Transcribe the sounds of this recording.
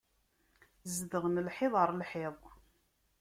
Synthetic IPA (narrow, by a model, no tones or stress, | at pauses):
zdəʁnəlħɪðˤəɾˤlħɪ